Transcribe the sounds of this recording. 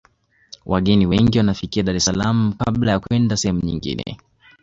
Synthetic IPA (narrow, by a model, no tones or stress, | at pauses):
wʔaɠɛniwɛŋɡiwanafikiaɗaɾɛsalam̩kaɓlajakuɛndasɛhɛmuɲḭŋɡḭnɛ̰